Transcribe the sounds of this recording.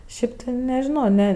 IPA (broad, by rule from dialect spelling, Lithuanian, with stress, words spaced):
ˈʃʲɪp tʲɪ nʲɛʒʲɪˈnoː ˈnʲɛ